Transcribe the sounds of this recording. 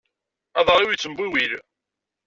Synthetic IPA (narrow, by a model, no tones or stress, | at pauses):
ɑðˤɾˤiwjt͡sːəmbiwiɾ